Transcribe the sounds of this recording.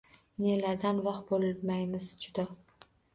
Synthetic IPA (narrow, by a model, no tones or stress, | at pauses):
ne̞laɾd̪anvɑqbolmajmɪzd͡ʒʊd̪a